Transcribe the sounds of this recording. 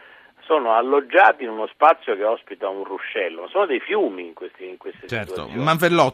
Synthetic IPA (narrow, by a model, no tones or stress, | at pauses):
soːnoalːod͡ʒːaːt̪iinunospat̪sːjokeɔspit̪aunruʃːɛlːomasːoːnod̪ejfjuːmiːŋkwest̪iːŋkwest̪est͡ʃɛt̪t̪o̰maɱvelːɔt